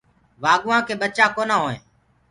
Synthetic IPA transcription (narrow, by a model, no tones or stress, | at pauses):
ʋaːɠʊʋãːkeːɓət͡ʃãːkoːnãːɦoːḛ̃ː